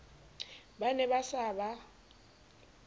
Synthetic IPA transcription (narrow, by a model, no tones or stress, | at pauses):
banɛbasaːba